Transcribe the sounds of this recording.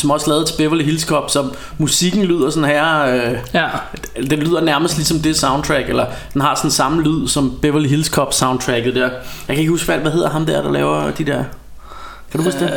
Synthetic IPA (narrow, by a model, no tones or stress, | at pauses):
sɒ̽mɒ̽slɛːð̩ˠt͡sʰe̝b̥eʋɐliɦilskʰɒ̽b̥sɒ̽ | musiɡ̥n̩lyð̞̰ˠɐsɔ̽nɦæɐø | d̥enlyð̞̰ˠɐnæɐməsd̥lisɒ̽md̥e̝sɑ̈ʊndt͡sʰʁæɡ̥elɐ | d̥enɦɑ̈sɒ̽nsɑ̈məlyð̰ˠsɒ̽mb̥eʋɐliɦilskʰɒ̽b̥sɑ̈ʊ̃nd̚t͡sʰʁæɡ̥ð̩ˠd̥eɐ̰jɑɪkʰæe̝ɡ̥husfæl̰ʋæɦe̝ð̰ˠɐɦɑ̈md̥æɐɾ̥ɑ̈lɛ̰ːʊɐd̥id̥eɐ̰ | kʰæd̥uhusd̥e